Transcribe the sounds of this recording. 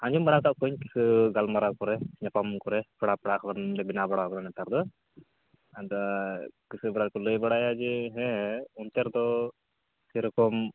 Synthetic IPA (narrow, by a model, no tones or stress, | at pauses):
aɲd͡ʒumbaɽat̪aʔkuɲki̥sɨɡalmaɾakɔɾɛɲapamkɔɾɛpɛɽapɛɽaʔkʰɔanɖɛbinabaɽakɾanɛt̪aɾd̪ɔ | ad̪ | kisɨbaɽaɾkuləjbaɽajad͡ʒɛɦɛ̃unt̪ɛɾd̪ɔ | siɾkɔm